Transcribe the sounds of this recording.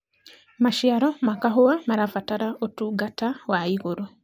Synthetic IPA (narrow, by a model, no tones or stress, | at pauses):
maʃiaɾomakaɦowamaɾafataɾaʔotuɡatawaiɣoɾwe